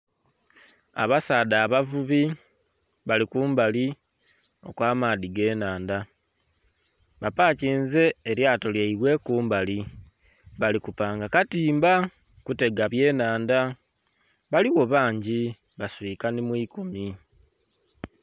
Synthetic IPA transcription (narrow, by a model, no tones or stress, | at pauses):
a̰βasaːdaːβavuβi | βalikuːmbali | o̞̰kwaːmaːðiɡe̞ːnaːnda | βapaːciːnze̞ːɾjaːtoljaiβwe̞kuːmbali | βalikupaːŋɡakatiːmba | kute̞ɡaβje̞ːnaːnda | βaliɣo̞βaːɲɟiβaswikanimwiːkomi